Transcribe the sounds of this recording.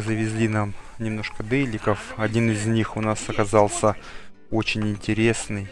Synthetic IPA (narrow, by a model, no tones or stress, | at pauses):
zəvʲɪzʲlʲinamnʲɪmno̞ʂkəd̪ɛlʲɪkəfɐdʲinɪzʲnʲixʊnasɐkɐzɑlˠsʲə | ot͡ɕɪnʲɪnʲtʲɪɾʲe̞snɨj